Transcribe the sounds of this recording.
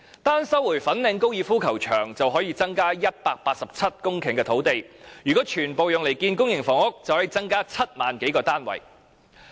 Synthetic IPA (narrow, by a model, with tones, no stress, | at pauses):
t̪aː˥nsɐ˥wuː˨˩jfɐ˨˥nlɪ˨˧ŋko˥wjiː˨˧fuː˥kʰɐ˨˩wt͡ʃʰœ̰ː˨˩ŋt͡sɐ˨wɦɔː˨˥jiː˧t͡sɐ˥ŋkaː˥jɐ˥t̚paː˧k̚paː˧t̚sɐ˨p̚t͡sʰɐ˥t̚kʊ˥ŋkʰɪ˨˩ŋkɛː˧t̪ʰo˨˥wt̪e˨jjyː˨˩kɔː˨˥t͡ʃʰyː˨˩npo˨wjʊ˨ŋle˨˩jkiː˧nkʊ˥ŋjɪ˨˩ŋfɔː˨˩ŋʊ˥k̚t͡sɐ˨whɐ˨˧˥jt͡sɐ˥ŋkaː˥t͡sʰɐ˥t̚maː˨nke˨˥jkɔː˧t̪aː˥nwɐ̰˨˩j